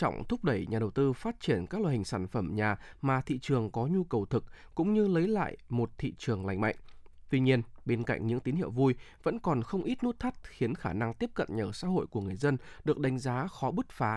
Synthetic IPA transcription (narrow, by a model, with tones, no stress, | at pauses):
t͡ɕɔ̰˧˨wŋ͡mt̪ʰʊ˦˥k͡p̚ɗə˧˩jɲaː˨˩ɗə˨˩wt̪ɨ˧faː˦˥t̚t͡ɕi˧˩ənkaː˦˥k̚la˧˨hï˨˩ŋsaː˧˩nfə˧˩mɲaː˨˩maː˨˩t̪ʰḭ˧˨t͡ɕɨ˨˩əŋkɔ˨˦ɲu˧kə˨˩wt̪ʰɨ˨˩k̚kʊ̰˧˥ŋ͡mɲɨ˧lə˨˦jla̰ː˧˨jmo˨˩t̚t̪ʰḭ˧˨t͡ɕɨ˨˩əŋla̰˨˧˩jŋ̟ma̰˧˨jŋ̟t̪wi˧ɲi˧ənɓe˧nka̰˧˨jŋ̟ɲɨ̰˧˥ŋt̪i˨˦nhḭ˧˨əwvu˧j | və̰˧˥nkɔ˨˩nxə˧wŋ͡mʔi˦˥t̚nu˦˥t̚t̪ʰa˦˥t̚xi˨˦ənxaː˧˩na˧ŋt̪i˦˥əp̚kə̰˧˨nɲəː˧˩sa̰ː˧˥ɦo̰˧˨jku˧˩əŋɨ˨˩əjzə˧nɗɨ˨˩ək̚ɗa˨˦jŋ̟zaː˨˦xɔ˨˦ɓɨ˦˥t̚faː˨˦